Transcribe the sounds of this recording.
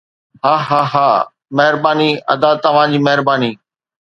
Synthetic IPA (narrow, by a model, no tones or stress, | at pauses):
ɦaːɦaːɦaː | mɐɦɪɾbaːniɐ̰d̪at̪ɐʋ̤ãd͡ʑiːmɐɦɪɾbaːniː